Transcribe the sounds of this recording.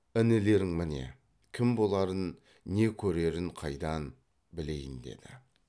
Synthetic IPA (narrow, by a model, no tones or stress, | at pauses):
ɪnɪle̞ɾɪŋmɪne̞̰ | kʲʰɪmbo̞lˠɑɾənː | e̞kʲʰɵɾe̞ɾɪɴqʰɑjd̪ɑn | bɪle̞jɪnd̪e̞̰d̪ɪ